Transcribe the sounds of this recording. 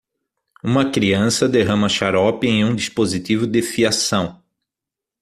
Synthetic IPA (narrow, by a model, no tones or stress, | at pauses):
ũmɐkɾiɐ̃sɐd̪eɦɐ̃mɐʃaɾɔpɪẽj̃ũd̪ispozit̪ivʊd̪ɪfiasɐ̃w̃